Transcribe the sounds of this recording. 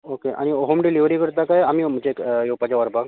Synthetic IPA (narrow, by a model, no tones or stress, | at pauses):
okeʔa̰ɽ̃ioɦomɖiliʋɾiːkəɾt̪akajam̤im̤ət͡ɕekjowpat͡ɕaʋəɾbaɡ